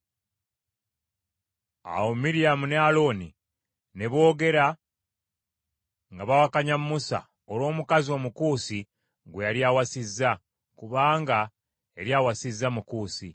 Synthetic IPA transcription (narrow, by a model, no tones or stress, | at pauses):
a̰womiɾijamunealo̞ni | ne̞βo̞ːɡe̞ɾa | ŋɡaβawakaɲamːusa̰ | oɾwo̞ːmukazio̞mukuːsi | ɡwejaɾjaːwasizːa | kuβaːŋɡa | eɾjaːwasizːamukuːsḭ